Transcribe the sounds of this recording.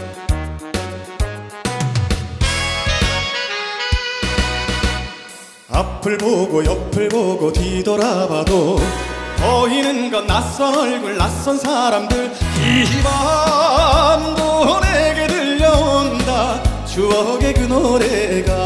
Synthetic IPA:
apʰɯɭboɡojʌpʰɯɭboɡotidʌɾabado | ʌɦinɯnɡʌnːas͈ʌnʌɭɡuɭnas͈ʌnsʰaɾamdɯɭiɕiba | ndoneɡedɯʎːʌndat͡ɕuʌɡe̞kɯnoɾeɡa

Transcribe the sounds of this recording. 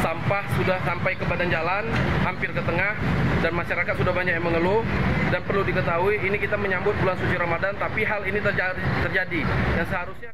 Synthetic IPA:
sampahsudahsampajkəpadand͡ʒalanhampɪrkət̪əŋahdanmaʃaɾakat̪̚sudahbaɲakjaməŋəlʊhdanpərludikət̪aɦuiːnikit̪aməɲambʊt̪̚bulansut͡ʃiɾamadant̪apiɦalinit̪əd͡ʒat̪ərd͡ʒadijaŋsəɦaɾʊsɲa

